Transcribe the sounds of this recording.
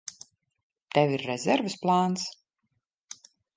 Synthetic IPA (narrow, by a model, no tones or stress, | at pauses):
t̪ɛviɾːɛzʲɛɾvɨsplˠaːns